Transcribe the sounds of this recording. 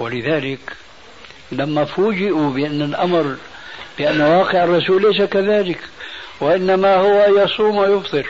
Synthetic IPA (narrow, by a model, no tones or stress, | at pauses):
walɪðaːlɪk | lamːafuːd͡ʒɪʔubɪʔanːalʔamɾ | b̥ɪʔanːwɑːqɪʕɑrˤːɑsuːlːejs̬akaðaːlɪkwɪʔɪnːamahʊwajɑsˤuːmajʊfd̪ˤɨl